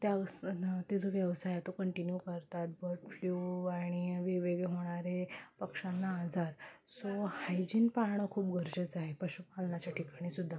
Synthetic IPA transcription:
t̪jast̪id͡zoʋjəʋsajat̪okəɳʈinjukəɾt̪at̪̚bəɾʈfljuaɽ̃iʋiʋeɡeɦoɽ̃aɾepəkʂãnːaːd͡zaɾsohajd͡ʑiːnpaɾɳ̃əkʰuːpɡʱəɾd͡ʑət͡saɦepəɕupalɳat͡ɕjaʈʰikaɽ̃isud̪ʱːa

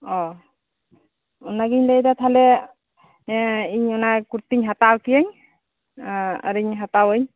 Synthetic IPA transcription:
ɔ | ɔnaɡiɲlejdat̪ʰalɛ | iɲɔnakuɾt̪iɲɦatawkijeɲ | a̰ɾiɲɦatawɯɲ

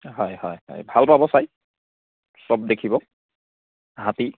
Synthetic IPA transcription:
ɦɔjhɔjhɔ̰jbʱalpabɔsaj | sɔb̚d̪ekʰibɔ | ɦat̪i

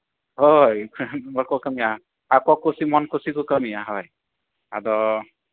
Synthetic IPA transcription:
ɦɔjmɔkɔkəmia | akɔkusimɔnkusikukəmiaɦɔj | a̰d̪ɔ

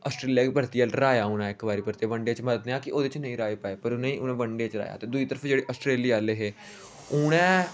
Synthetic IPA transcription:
əsʈɾeːlijaːkbʱəɾt̪ijaːlɾaːjaːʊːɽaːɪkbaːɾiːbʱəɾt̪iaːbəɳɖeːt͡ʃməd̪eːãːkɪoːd̪et͡ʃnəĩːɾaːeːpaːeːpəɾʊnəĩːʔʊnẽːbəɳɖeːt͡ʃɾa̰ːja̰ːt̪eːd̪uiːt̪əɾəpʰd͡ʒeːɽeːʔəsʈɾeːliːaːleːɦeː | ʊɽɛ̃ː

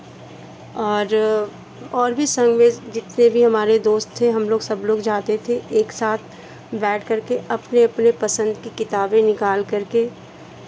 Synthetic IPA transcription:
ɔːɾ | ɔːɾbʱisɐ̃ŋɡmeːzd͡ʒɪt̪nebʱiɦɐmaːɾed̪oːst̪ʰːeɦɐmloːɡsɐbloːɡd͡ʒaːt̪et̪ʰeeːksaːt̪̚ʰ | bɛːʈʰkɐɾkeɐpneɐpnepɐsə̃nd̪kikɪt̪aːbẽnɪkaːlkɐɾke

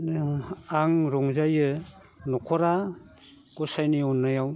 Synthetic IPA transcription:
aŋɾɔŋzajɯ | nɔkʰɔɾa | ɡ̥ɔsajniɔnːajaw

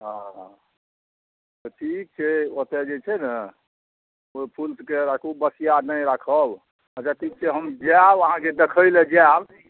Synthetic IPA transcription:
ɦã | t̪ɔʈʰik̚t͡ʃʰɛot̪ed͡ʒet͡ʃʰɛnə | opʰulskeɾakʰubəsijanəjɾakʰəb | ət͡ʃaʈʰik̚t͡ʃʰɛɦəmd͡ʒabəɦãked̪ekʰəjled͡ʒab

